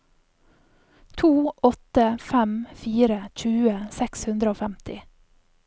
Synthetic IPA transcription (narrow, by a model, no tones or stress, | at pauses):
t̪ʰuːʔɔt̪əfæmfiːɾəc͡çʉːəsɛkshʉnd̪ɾəoːfæmt̪ɪ